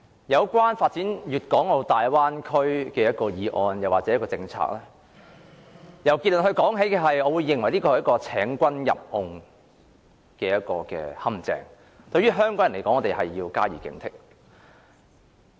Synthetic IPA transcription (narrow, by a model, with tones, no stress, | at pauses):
jɐ˨˧wkʷaː˥nfaː˧t̚t͡siː˨˥njyː˨t̚kɔː˨˥ŋlo˨˧t̪aː˨jwaː˥nkʰɵ˥ɥkɛː˧jɐ˥t̚kɔː˧jiː˨˧ʔɔː˧njɐ˨waː˨t̚t͡sɛː˨˦jkɔː˧t͡sɪ˧ŋt͡sʰa̰ː˧k̚lɛː˥ | jɐ˨wki˧t̚lnɦɵ˧ɥkɔː˨˥ŋɦe˨˥jkɛː˧ɦɐ˨jɔː˨˧wuː˨˧jːɪ˨ŋwɐ˨˩jliː˥kɔː˧hjɐ˥kɔː˧t͡sʰɛː˨˥ŋkʷɐ˥njɐ̰˨p̚hʊ˧ŋ | kɛː˧jɐ˥t̚kɔː˧kɛ̰ː˧hɐ˥mt͡sɛ̰ː˨˩ŋ | t̪ɵ˧ɥyː˥ɦœː˥ŋkɔː˨˥ŋjɐ˨˩nle˨˩kɔː˨˥ŋɔː˨˧te˨jhɐ˨jːiː˧wkaː˥jiː˨˩kɪ̰˨˧˥ŋt̪ʰɪ˥k̚